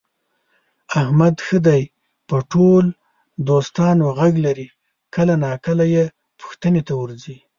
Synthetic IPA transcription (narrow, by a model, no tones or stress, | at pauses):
ahmad̪xəd̪aj | pəʈol | d̪ost̪ɑnoɣaɡlaɾi | kəlanɑkəlaje | pʊ̥xt̪ənet̪awəɾzi